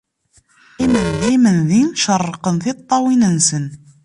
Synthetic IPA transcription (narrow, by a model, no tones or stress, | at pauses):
imənðimənðinʃərˤːqənθɪt̪ˤːɑwinənsən